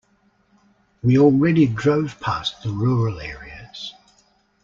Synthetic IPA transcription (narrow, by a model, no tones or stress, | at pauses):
wiɔlˠɹɛɾidɹəʊv̥pʰɑˑsðəɹɔːɹəlɛːɹiəz̥